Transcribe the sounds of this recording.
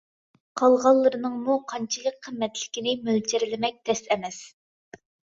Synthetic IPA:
qʰɑlˠʁɑlˠːɨɾɨnɨŋmuqʰɑnt͡ʃʰilˠək̚ʲqʰːəmːɛt̪lɪ̥kʲinɪmyld͡ʒɪɾɪlɪmɛk̚ʲd̪̥ɛst̪ɛmɛs

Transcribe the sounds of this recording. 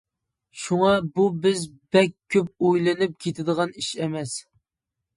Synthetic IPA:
ʃuŋɑbubɪz | bɛkʲʰːøp̚ojlˠɨnɨp̚kʲʰet̪ʰɪd̪əʁɑniʃɛmɛs

